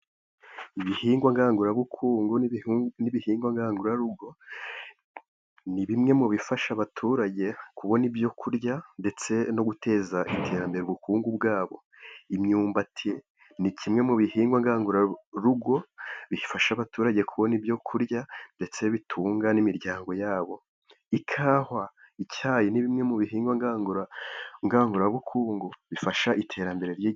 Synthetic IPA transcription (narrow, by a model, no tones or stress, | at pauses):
iβihiːŋɡwaŋɡaːŋɡuɾaβukʰuːŋɡunniβihiːŋɡwaŋɡaːŋɡuɾaɾuɡo̞ | niβimŋe̞muβifaʃaβatʰuːɾaɟe̞kuβo̞nibjo̞kʰuɾɟande̞t͡se̞no̞ɡutʰe̞ːzaʔitʰe̞ːɾambe̞ɾuβukuːŋɡub̚ɡaːβo̞̰ | imɲuːmbatʰi | nicʰimŋe̞muβihiːŋɡwaŋɡaːŋɡuɾaɾuɡo̞βifaʃaβatuːɾaɟe̞kʰuβo̞nibjo̞kʰuɾjande̞t͡se̞βitʰuːŋɡanimiɾɟaːŋɡo̞jaːβo̞ | ikʰaːha | ichaːjiniβimŋe̞muβiɦiːŋɡwaŋɡaːŋɡuɾaŋɡaːŋɡuɾaβukʰuːŋɡuβifaʃaʔitʰe̞ːɾambe̞ɾe̞ɾji